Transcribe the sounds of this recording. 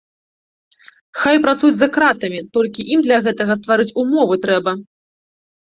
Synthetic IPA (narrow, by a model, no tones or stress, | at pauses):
xajpɾat̪sud͡zʲzɐkɾat̪ɐmʲit̪ɔlʲkʲiʔimd̪lʲaɣɛt̪ɐɣɐst̪vaɾɨt͡sʲumɔvɨt̪ɾɛbɐ